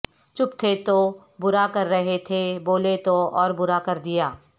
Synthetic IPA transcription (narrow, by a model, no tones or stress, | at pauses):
t͡ʃʊpt̪ʰet̪o | bʊɾakɐɾːəɦet̪ʰeboːlet̪oɔːɾbʊɾakɐɾd̪ɪjaː